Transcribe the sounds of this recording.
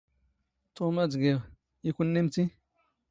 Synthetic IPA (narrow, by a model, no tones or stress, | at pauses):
tomad͡zɡe | ikunːemt͡si